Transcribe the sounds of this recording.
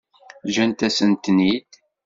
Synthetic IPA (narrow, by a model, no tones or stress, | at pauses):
ʒænt̪æsənt̪nid̪